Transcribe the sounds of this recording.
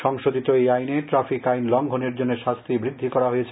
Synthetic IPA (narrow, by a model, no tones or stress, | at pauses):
ʃɔŋʃod̪it̪oejajneʈɾafikajnlɔŋɡʱoneɾd͡ʑonːeʃast̪ʰibɾid̪ʱːikɔɾaɦojet͡ɕʰe